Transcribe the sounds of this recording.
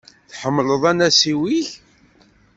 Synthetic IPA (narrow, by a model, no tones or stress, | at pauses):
θħəmːləðˤænæsiwiç